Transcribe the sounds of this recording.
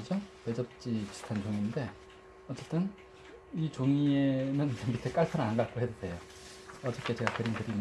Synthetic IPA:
ɯd͡ʑope̞d͡ʑʌp̚t͡ɕ͈ipi̥sʰu̥tʰant͡ɕoŋinde̞ | ʌt͡ɕ͈e̞t͈ɯn | it͡ɕoŋienɯnebitʰek͈aɭpʰaɾanɡak͈oɦedɯsʰe̞jo | ʌt͡ɕ͈ʌk͈ʰe̞t͡ɕe̞ɡakɯɾinkɯɾim

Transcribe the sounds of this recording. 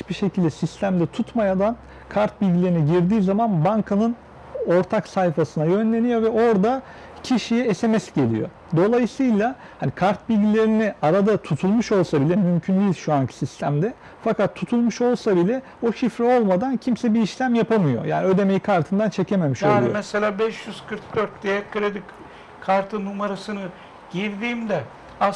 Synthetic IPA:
t͡ʃbiʃe̞cʰilʲd̪ɛsist̪ʰæmd̪ɛt̪ʰut̪majad̪an | kʰaɾt̪̚bilʲɟilʲe̞ɾiniɟiɾd̪iːzamanbaŋkʰanɯn | o̞ɾt̪ʰaksajfasɯnajø̞nlʲe̞nijo̞vɛo̞ɾd̪a | cʰiʃijɛesemɛsɟe̞lʲḭjo̞̰ | d̪o̞lˠajɯsɯjlˠa | hanikʰaɾt̪̚bilʲɟilʲe̞ɾiniaɾad̪at̪ʰut̪ʰulˠmuʃo̞lˠsabilʲɛmymcʰynd̪ijilʲʃuancʰi̥sist̪ʰæmd̪ɛ | fakat̪ʰːut̪ʰulˠmuʃo̞lˠsabilʲɛ | oʃifɾɛo̞lˠmad̪ancʰimsɛbiːʃlʲæmjapʰamɯjo̞̰jʔa̰ːniø̞d̪e̞me̞jikʰaɾt̪ʰɯnd̪ant͡ʃʰe̞cʰe̞me̞miʃolˠujomɛselʲaːbɛʃjyz̥kʰɯɾk̚d̪øɾt̪̚d̪ejɛkʰːɯɾed̪ik | kʰaɾt̪ʰɯnumaɾasɯnɯ | ɟ̥iɾd̪iːmd̪ɛ | a

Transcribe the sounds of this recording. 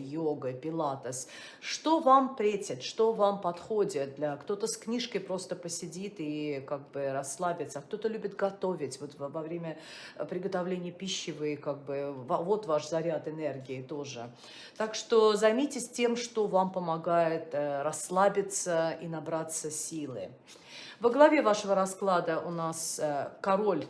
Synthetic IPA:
joɡəpʲɪlˠat̪əs | ʂt̪o̞vampɾʲetʲɪt̪ʂt̪o̞vampɐt̪xodʲɪt̪̚d̪lʲakt̪o̞t̪əsknʲiʂkəjpɾo̞st̪əpəsʲɪdʲit̪ikaɡ̚bɨɾɐslˠabʲɪt̪səak̚t̪o̞t̪əlʲʉbʲɪt̪ɡɐt̪o̞vʲɪtʲvo̞t̪vvɐvɾʲemʲəpɾʲɪɡət̪ɐvlʲenʲɪjəpʲiɕːɪvɨɪkaɡ̚bɨvavo̞t̪vaʂzɐɾʲat̪ɨnerɡʲɪːt̪oʐɨ | t̪akʂt̪ozɐjmʲitʲɪsʲtʲe̞mʂt̪o̞vampəmɐɡajɪt̪ɾɐslˠabʲɪt̪səinɐbɾat̪səsʲilˠɨ̰ | vəɡlˠɐvʲe̞vaʂəvəɾɐsklˠad̪əʔʊnaskɐɾo̞lʲ

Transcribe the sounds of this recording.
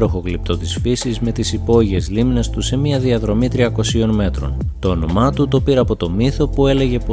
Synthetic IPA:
ɾoxo̞klip̚t̪o̞t̪isfisizme̞t̪isipo̞ʝie̞zlimne̞st̪use̞miɐðiɐðɾo̞mit̪ɾiɐko̞sio̞nme̞t̪ɾo̞̰nt̪o̞ːno̞mɐt̪ut̪o̞piɾɐpo̞t̪o̞miθo̞pue̞le̞ʝe̞p

